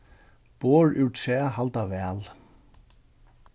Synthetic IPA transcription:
pɔːɹʉwtsɛːɦalt̪avɛːl

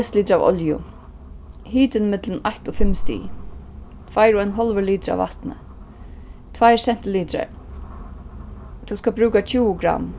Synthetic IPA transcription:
st̪liːt̪ɾaʋɔ̰ljʊ̰ | hiːt̪ɪnmɪt̪lənajht̪ɔfɪmst̪ḭː | t̪ʰvajɾɔɛnɦɔlʋəliːt̪ɾa̰ʋva̰ht̪nə̰ | t̪ʰvajsɛn̥t̪ɪliːt̪ɾa̰ɹ | t̪ʰuskabɾʉːkat͡ɕʰuːʊɡɾa̰m

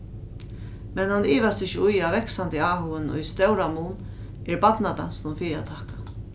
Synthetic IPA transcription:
mɛnhanːiːʋast̪ɪçɪʊjavɛksant̪ɪaːɦʊənʊ̰jst̪ɛwɾamuːn | ɛɹbatnad̪a̰nsnʊmfiːɾat̪ʰaːkḁ

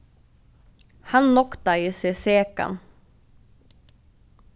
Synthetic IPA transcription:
hanlɔkt̪ajɪsɛseːka̰n

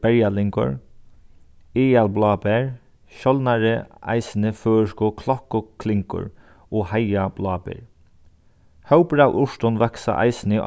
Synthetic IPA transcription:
b̥ɛɹjalɪŋkʊ̰ɹ | ɪːalblɑːpɛɹ | ʃɔlnaɾəa̰jsnəføːʃkʊkʰlɔhkʊkʰlɪŋkʊ̰ɹ | ɔːhajab̥lɑːpɛ̰ɹ | hœwpɾawʔʊʃt̪ʊnʋɛksa̰ʔa̰ɪsnɪʔ

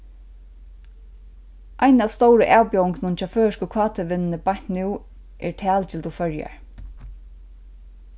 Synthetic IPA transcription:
ʔajnavst̪owɾəʔaːwpɔwɪŋknʊnt͡ɕʰaːføːɹɪʃkəkʰɑːt̪ʰəʋɪnnəbajɲn̥t̪nuw | ʔɛ̰ɹt̪ʰæːlt̪ʰɪlt̪ufœɹja̰ɹ

